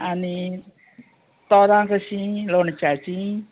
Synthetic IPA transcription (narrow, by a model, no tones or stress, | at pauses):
ani | t̪ɔɾaŋkəsilonə̥d͡ʒ̥ḁt͡ʃi